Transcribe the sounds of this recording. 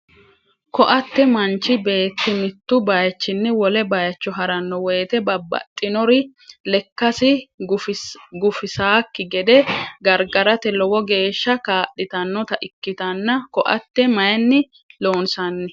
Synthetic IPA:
kɔʔɐt̪ːɛmɐnt͡ʃːɪbe̞ːt̪ːɪmɪt̪ːʊbɐjɐt͡ʃːɪnːɪwɔlɛbɐjɐt͡ʃːɔɦɐɾɐnːɔwɛjːt̪ɛbɐbːɐ̰t̪ʼːɪnɔɾɪ | lɛkːɐsɪ | ɡʊfɪsaːkːɪɡɛd̪ɛɡɐɾɡɐɾɐt̪ɛlɔwɔɡe̞ːʃːɐkaːɗɪt̪ɐnːɔt̪ɐʔɪkːɪt̪ɐnːɐkɔʔɐ̰t̪ːɛmɐjɐnːɪ | lo̞ːnsɐnːɪ

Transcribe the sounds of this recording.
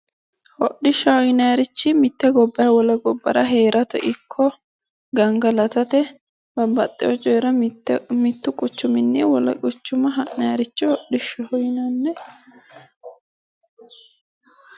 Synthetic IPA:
hɔɗːɪʃɐhɔjnɐjɐɾɪt͡ʃːɪmɪt̪ːɛɡɔbːɐwɔlɐɡɔbːɐ̰ɾɐɦeːɾɐt̪ɔʔɪkʰːɔ | ɡɐŋɡɐlɐt̪ɐt̪ɛ | b̥ɐbɐt̪ʼːɪjɔt͡ʃʼɔjɾɐmɪt̪ːʊkʼʊt͡ʃːʊmɪnːɪwɔlɐ̰kʼʊt͡ʃːʊmɐɦɐʔnɐjɐɾɪt͡ʃːɪhɔɗɪʃɐhɔjɪnɐnːɛ

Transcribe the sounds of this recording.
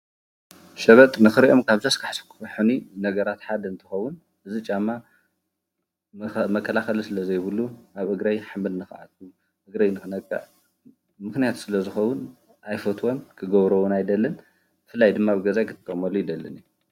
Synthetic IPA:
ʃɐβɐt̪ʼnɨxɨɾiʔomkʰaβzɐskʰaħskʰu̥ħuninɐɡɐɾat̪ħad̪ɐɨnt̪ʰɨxɐwːʊn | ʔɨzit͡ʃʼamːa | mɐkʰːɐlaxɐlisɨlɐzɐjβɨluaβʔɨɡɾajħamɨlnɨxʕa̰t̪̚kʰu | ʔɨɡɾajnɨxɨnɐkʼːa̰ | mɨxnijat̪ʰsɨlɐzɨxɐwːʊn | ʔajfɐt̪ʰwo̞mkʰɨɡɐβɾɐwʊnajd̪ɐlːɐn | b̥ɨfɨlːajd̪ɨmːaβɨɡɐzajkʰɨt̪ʰːɨ̥kʼːɐmɐlujɪd̪ɐlːɐ̰ni

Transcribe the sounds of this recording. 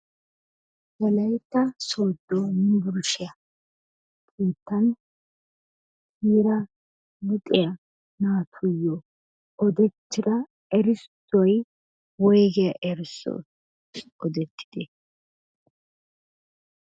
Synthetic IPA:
jɐlɐjt̪ːɐsoːd̪ːonɪbʊɾʊʃɪjɐ | kʰʼiːt̪ːɐn | hiːɾɐ | mʊt̪ʼɪjɐ | naːt̪ʰʊjːɔ | ɔd̪ɛt̪ːɪd̪ɐ | ɛɾɪstːɔj | wɔjɡɪɐʔɛɾsɔ̰ | ɔd̪ɛt̪ːɪ̥d̪̥ɛ

